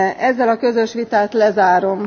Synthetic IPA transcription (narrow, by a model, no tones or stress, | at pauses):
ʔɛzːɛlɒkø̞zø̞ʃʋit̪aːt̪lɛzaːɾo̞m